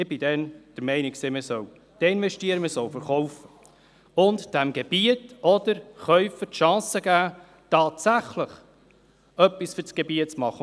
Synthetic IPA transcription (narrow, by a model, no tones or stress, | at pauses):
ɪbɪdɛnd̥əɾmɛɪnɪksɪməsœw | d̥ɛɪnvɛʃtiəɾəməsɔwfəɾχɔwfə | ʊntd̥æmɡ̥ebiətɔd̪̥əɾχœʏfətʃɑ̃ːsəɡæː | tɑːtsæχləχ | œpːisfʏsɡ̥ɛbiətt͡smɑχə